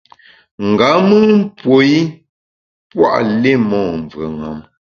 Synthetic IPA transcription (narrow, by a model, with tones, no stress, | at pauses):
ŋ̩˨ɡa˨˦mɨ˦m̩˦pwo˨˦i˦ | pwa̰˦˨ʔle˦˨mɔ˦˨ɱ˨və̰˨ŋa̰˨m